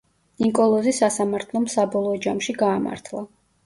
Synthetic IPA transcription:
niŋkʼɔlˠɔzisasamaɾt̪ʰlˠɔmsabɔlˠɔːd͡ʒamʃiɡaːma̰ɾt̪ʰlˠa

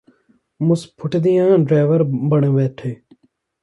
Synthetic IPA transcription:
mʊspʰʊʈd̪ijãːɖɾeːʋəɾbəɳeʋeːʈʰeː

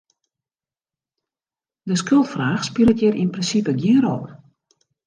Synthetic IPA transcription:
dəskølˠtfraːxspilətjəɾinprinsipəɡjiəɾɔp

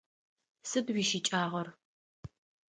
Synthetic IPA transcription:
sɨbwiːʃɪt͡ʃʼaːʁɐr

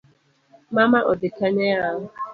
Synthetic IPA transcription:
mamaʔɔdɪkaɲajaɦʊ

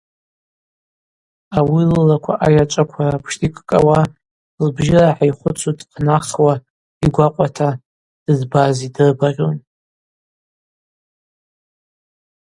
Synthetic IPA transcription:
awilɨlakʷʰaʔajat͡ʃʷʼakʷʰarapʰʂtʰʼikʼkʼawa | lbʒɪraħaiχʷʊt͡sʰutʼqnaχwa | iɡʷaqʷʼatʰa | d̥ɨzbazidɨrbarʲon

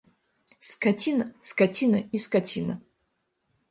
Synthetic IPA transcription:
skʰatʲʰinɐskatʲʰinɐiskatʲʰinɐ̰

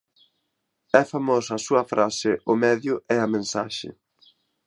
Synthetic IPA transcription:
ɛfamɔsɐːsuɐfɾasɪʔʊmɛðjʊɛɐmẽnsaʃɪ̰

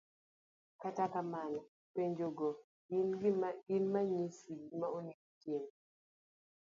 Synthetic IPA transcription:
katakamanɔ | peɲd͡ʒoɡɔ | inɡiɡinmaɲisiɡimaoniktɪm

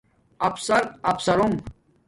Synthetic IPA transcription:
ɐpsɐɾɐpsɐɾum

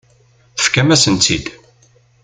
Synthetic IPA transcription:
θə̥fkæmæsənt͡s̪id̪

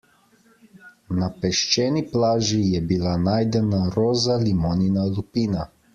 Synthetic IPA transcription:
napɛʃt͡ʃɛːniplaːʒijɛbilanaːjd̪ɛnaɾoːzalimoːninalupiːna

